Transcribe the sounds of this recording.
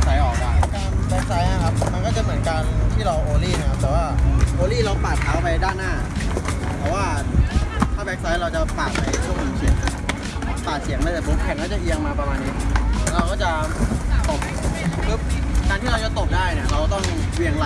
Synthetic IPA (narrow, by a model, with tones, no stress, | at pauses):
sa˨˦˥jʔɔː˨˩k̚laː˨˩kaː˧nbɛ˦˥k̚sa˦˥jna˧˩kʰa˦˥p̚ma˧nkɔː˥˩t͡ɕa˨˩mɯ˩˦nkaː˧nt̪ʰiː˥˩ɾa˧wʔoː˧liː˥˩na˦˩kʰa˦˥p̚t̪ɛː˨˩waː˥˩ʔoː˧liː˥˩ɾa˧wpaː˨˩aː˨˦˥wpa˧jdaː˥˩nːaː˥˩ | pʰɔ˧˩waː˥˩ | t̪ʰaː˥˩bɛ˦˥k̚sa˦˥jɾa˧wt͡ɕa˨˩paː˨˩k̚pa˧jt͡ɕʰo˧ni˧si˨˩˦ŋ˧˩ | paː˨˩k̚si˨˩˦əŋma˧˥˩t̪ɛ˨˩bo˦˥k̚kʰɛ˧˩nkaː˥˩t͡ɕa˨˩ʔi˧˥əŋmaː˥˩pɾa˧maː˧nːiː˦˥˩ɾa˧wkɔː˥˩t͡ɕa˨˩t̪ɔ˨˩pkɯ˦˥p̚kaː˧nt̪ʰiː˥˩ɾa˧wt͡ɕa˨˧˩t̪o˨˩p̚daː˥˩jni˧˩ɐɾa˧wkt̪ɔ˧˩nwi˥˩əŋla˧˥˩